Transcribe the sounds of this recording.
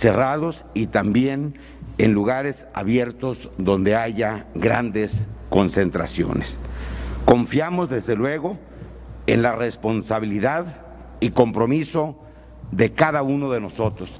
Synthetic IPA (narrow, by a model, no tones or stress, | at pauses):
se̞raðo̞sit̪ambje̞n | enluɣaɾe̞sa̰βje̞ɾt̪o̞zðo̞nd̪e̞aʝaɣɾa̰nd̪e̞sko̞nse̞nt̪ɾa̰sjo̰ne̞sko̞ɱfjamo̞zðe̞zðe̞lwe̞ɣo̞ | ḛnlare̞spo̞nsaβiliðað | iko̞mpɾo̞miso̞ | ðe̞kaðauno̞ðe̞no̞so̞t̪ɾo̞s